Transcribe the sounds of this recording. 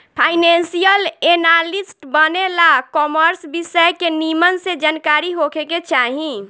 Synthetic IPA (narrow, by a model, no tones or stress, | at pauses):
pʰaːɪnensijəlenaɾlisʈbənelakɔːməɾsbisəjkenimənsed͡ʒankaːɾiɦokʰeket͡ʃaɦĩ